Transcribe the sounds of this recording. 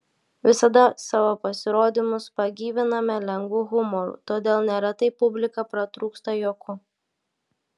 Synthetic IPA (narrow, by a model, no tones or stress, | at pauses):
ʋʲɪsɐd̪ɐsɑːʋopɐsʲɪɾoːd̪ʲɪmʊspɐɡʲiːʋʲɪnɐmʲɛlʲɛŋɡʋuːɣʊmɔɾṵːt̪oːd̪ʲeːlˠnʲeːɾɐt̪ɐɪpːʊbʲlʲɪkɐpɾɐt̪ɾuːkst̪ɐjoːkʰʊ